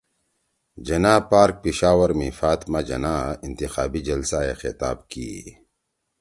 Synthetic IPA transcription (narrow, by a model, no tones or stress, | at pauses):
d͡ʒɐnaːpaːɾk̚piʃaːwɐɾmĩfaːt̪mad͡ʒɐ̰naːɪnt̪ixaːbid͡ʒɐlsaexɪt̪a̰ːbkḭḛ